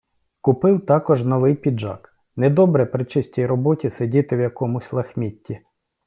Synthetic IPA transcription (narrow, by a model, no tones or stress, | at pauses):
kʊpɪwt̪ɑkɔʒnɔʋɪjpʲid͡ʒɑ̰k | nɛd̪ɔbɾɛpɾɪt͡ʃɪsʲtʲijɾɔbɔtʲisedʲit̪ɪwjɐkɔmʊsʲlˠɐxmʲit̪ʲːi